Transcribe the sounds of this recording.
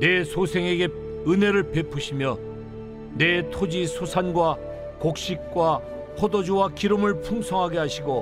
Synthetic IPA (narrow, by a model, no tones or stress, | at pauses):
ne̞sʰosʰe̞ŋeɡe̞ | ɯne̞ɾɯɭpe̞pʰuɕʰimjʌ | netʰod͡ʑisʰosʰanɡwa | kok̚ɕ͈ik̚k͈wa | pʰodod͡ʑowakiɾɯmɯɭpʰumsʰʌŋɦaɡe̞ɦaɕʰiɡo